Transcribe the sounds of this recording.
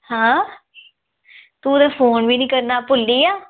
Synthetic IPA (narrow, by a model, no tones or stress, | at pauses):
hãː | t̪ũːd̪aːpʰoːnbiːnĩːkəɾnaːpʊlːiːaː